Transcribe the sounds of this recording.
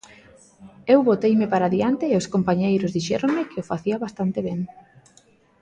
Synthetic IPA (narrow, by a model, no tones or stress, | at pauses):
ewβot̪ejmɪpaɾaðiant̪ɪːoskompaɲejɾʊzðiʃɛɾoŋmɪkɪofaθiaβast̪ant̪ɪβɛŋ